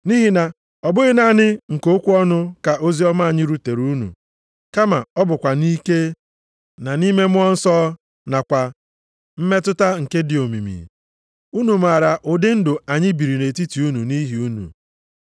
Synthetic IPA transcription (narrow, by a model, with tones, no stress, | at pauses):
ni˦ɦi˨na˨ | ɔ˨bʊ˦ɣɪ˦na˦nɪ˦ŋ̩˨ko˦kʷu˦ɔ˦nʊ˦ka˨ʔo˦zi˦ɔ˦ma˦˨ɲɪ˦ɾu˦te˨ɾu˦nṵ˨ | ka˦ma˨ɔ˦bʊ˨kʷa˨ni˦ke˦ | na˨ni˦me˦mʊ˦ɔ˦n̩˦sɔː˦ | na˨kʷa˨ | m̩˦me˦tʊ˦ta˦ŋ̩˨ke˦dɪ˨o˨mḭ˨mḭ˨ | u˦nu˨m̩˨a˨ɾa˨ʔʊ˨dɪ˦n̩˦dʊ˨a˨ɲɪ˦bi˨ɾi˨ne˨ti˦ti˨˦u˦nu˨ni˦ɦi˦u˦nṵ˨